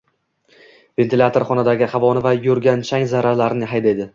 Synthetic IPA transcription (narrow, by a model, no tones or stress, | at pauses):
ve̞nt̪ʰɪlʲat̪ʰoɾχɒnad̪aɡʲɪhavɒnɪvajɵɾɡʲant͡ʃʰaŋzaɾaɾlaɾɪnɪɦajd̪ajd̪ɪ